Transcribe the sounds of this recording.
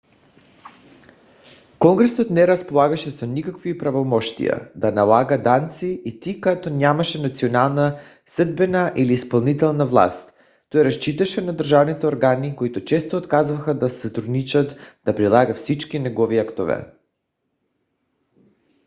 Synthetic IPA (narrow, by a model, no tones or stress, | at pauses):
kɔŋɡɾɛsɔt̪nɛɾaspolˠaɡaʃɛsonikakvipɾavomɔʃt̪ḭja̰d̪analˠaɡad̪ant̪siːt̪ikat̪onʲamaʃɛnat̪sionalˠna | səd̪̚bɛnaʔiliːspalˠnit̪ɛlˠnavlˠa̰st̪ː | ojɛɾast͡ʃit̪aʃɛnad̪r̩ʒavnit̪ɛoɾɡanikoit̪ot͡ʃɛst̪oːt̪kazvaxad̪asat̪ɾud̪nit͡ʃat̪d̪̥apɾilˠaɡafsit͡ʃkinɛɡɔviakt̪ovɛ̰